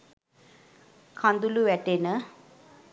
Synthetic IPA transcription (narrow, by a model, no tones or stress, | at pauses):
kʰãnd̪uluʋɛʈenə